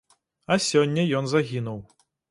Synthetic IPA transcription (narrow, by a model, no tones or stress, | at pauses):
ɐsʲɔnʲːɐjɔnzaɣʲinuw